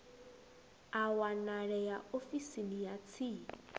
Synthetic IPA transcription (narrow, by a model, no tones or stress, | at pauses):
awanaɺɛjaofisinijat͡sʰi